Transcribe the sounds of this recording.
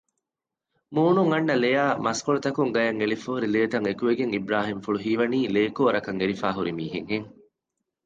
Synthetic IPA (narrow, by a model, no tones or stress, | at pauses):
muːnuŋɐnːɐlejaːmɐskoɭut̪ɐkuŋɡɐjɐŋelifoɦuɾileːt̪ɐŋekuʋeɡeŋibɾaːɦimfuɭuɦiːʋɐniːleːkoːɾɐkɐŋeɾifaːɦuɾimiːɦeŋɦeŋ